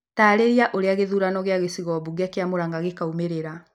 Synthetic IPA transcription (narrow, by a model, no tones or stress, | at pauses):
taːɾeɾiaʔoɾeaɣeðuɾanɔɣeaɣesiɣɔβuɣakeamoɾaŋɡaɣekaumeɾeɾa